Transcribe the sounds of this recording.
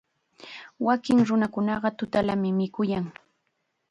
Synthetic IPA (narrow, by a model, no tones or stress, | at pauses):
wakɪŋɾʊnakʊnɑɢɑt̪ʊt̪alamɪmɪkʊjaŋ